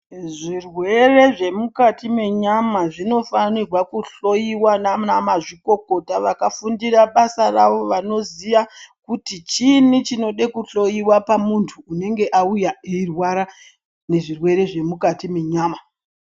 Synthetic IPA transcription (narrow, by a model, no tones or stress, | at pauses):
ʐirwe̞re̞ʐe̞mukatime̞ɲamaʐino̞fanirwakuɬo̞jiwananamaʐiko̞ko̞taʋakafundiraɓasaraʋo̞ʋano̞ziʋakutit͡ʃinit͡ʃino̞ɗekuɬo̞jiwapamuntʰuːne̞ŋɡe̞ʔaujaeirwaɾa | ne̞ʐirwe̞ɾe̞ʐe̞mukatimeɲaːma